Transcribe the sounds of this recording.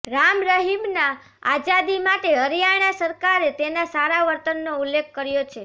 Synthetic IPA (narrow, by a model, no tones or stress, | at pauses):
ɾamɾəɦimna | ad͡ʒad̪imaʈeəɾjaɽ̃asəɾkaɾet̪enasaɾaʋəɾt̪ənːoulːekʰːəɾjot͡ʃʰe